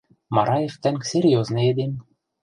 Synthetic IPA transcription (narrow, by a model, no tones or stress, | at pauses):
mɑɾɑjeft̪æmsʲerʲjoznɤ̆ed̪em